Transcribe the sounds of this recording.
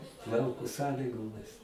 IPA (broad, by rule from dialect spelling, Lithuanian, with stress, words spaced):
ˈlˠɐʊkoː ˈsɑːlʲiːɡoːmʲɪs